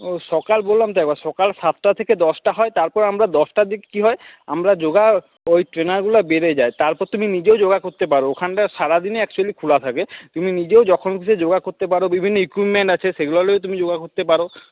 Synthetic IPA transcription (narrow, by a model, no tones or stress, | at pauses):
ʃɔkalbolːamt̪oɛk̚baʃɔkalʃat̪ʰʈat̪ʰeked̪ɔsʈaɦɔet̪aɾpɔɾamɾad̪ɔsʈad̪ikkiɦɔea̰mɾad͡ʑoɡa | ojʈɾenaɾɡulabeɾed͡ʑaet̪aɾpɔɾt̪uminid͡ʑeod͡ʑoɡakoɾt̪epaɾookʰanʈaʃaɾad̪ineɛkt͡ɕualikʰulat̪ʰaket̪uminid͡ʑeod͡ʑɔkʰonkʰit͡ɕʰed͡ʑoɡakoɾt̪epaɾobibʱinːoikipmeɳʈat͡ɕʰeʃeɡulaleot̪umid͡ʑoɡakoɾt̪epaɾo